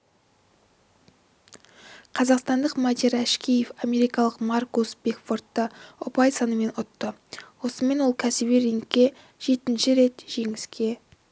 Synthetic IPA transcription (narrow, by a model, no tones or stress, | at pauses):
qʰɑzɑqst̪ɑnd̪əqmɑd̪iɾæʃkʲijefɑme̞ɾijkɑlˠəqmɑrkosb̥e̞kfo̞rt̪ːəʊpɑjsɑnəme̞nʊt̪ːəwo̞səme̞nwolˠkʲʰæsɪβiɾiŋkʲːe̞ | ʒ̥e̞t̪ɪnʃɪɾe̞t̪ʒ̥e̞ŋɪskʲe̞